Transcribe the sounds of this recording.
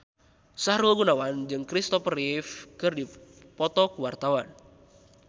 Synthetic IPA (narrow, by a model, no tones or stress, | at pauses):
saɾulɡunawand͡ʒɨŋkɾist̪ɔfrifkɨrdi | pɔt̪ɔkuwart̪awan